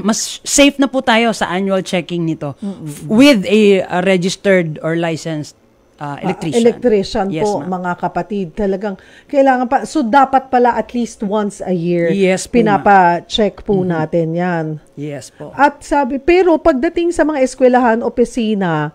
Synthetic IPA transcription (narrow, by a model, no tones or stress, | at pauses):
mɐsːejfnɐput̪aːjo̞sɐ̰ʔanjuɐlt͡ʃɛkɪŋnɪt̪o̞m̩ːwɪðɐɾɛd͡ʒɪst̪ɛɹd̪ɔɹlajsɛnst̪ | ʔaʔɛ̰lɛk̪ɾiɛlɛkn̚t̪ɾiʃonpomɐŋakɐpɐt̪id̪̚t̪ɐlɐɡaŋ | kɐʔɪlaːŋɐnpɐso̞d̪aːpɐt̪̚pɐlaʔɐt̪liːst̪̚wɐnsɐjiɹjɛspɪnaːpɐt͡ʃɛkpʊnaːt̪ɛnjanjɛsoʔɐt̪̚saːbɪpɛːɾo̞pɐɡ̚d̪ɐt̪ɪŋsɐmɐŋaʔɪskwɛlɐɦanopɪsiːnɐ